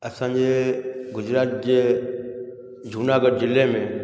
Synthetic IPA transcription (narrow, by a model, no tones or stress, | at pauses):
ɐsãːɲd͡ʑeːɡʊd͡ʑɾaːt̪̚d͡ʑeː | d͡ʑʱuːnaːɡəɖd͡ʑɪlemẽ